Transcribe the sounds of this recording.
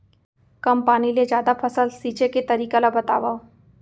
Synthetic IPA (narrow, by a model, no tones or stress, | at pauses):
kɐmpaːniled͡ʒjaːd̪apʰɐsəlsiːt͡ʃeket̪ɐɾiːkalabɐt̪a̰ːʋa